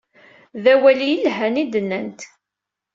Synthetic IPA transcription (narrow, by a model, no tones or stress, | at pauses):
ðæwælijəlɦænid̪ənːænt̪